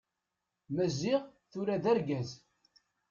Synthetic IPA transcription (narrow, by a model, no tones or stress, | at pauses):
mæziʁθʊɾaðæɾɡæz